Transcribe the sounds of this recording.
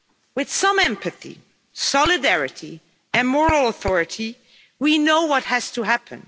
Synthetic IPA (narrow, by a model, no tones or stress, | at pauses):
wɨð̥sʌ̃mɛ̃mpɨθḭ | sɑlˠɨdɛɹɨɾʰi | ɨ̃nmɔɹl̩ˠəθɔɹɨɾi | winoʊwʌt̚hɨz̥tʰɨɦæpʰɨ̰̃n